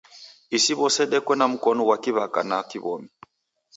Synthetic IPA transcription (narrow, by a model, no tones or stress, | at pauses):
isiβɔsɛɗɛkwɛnam̩kɔnɔwakiβaka̰nakiβɔmi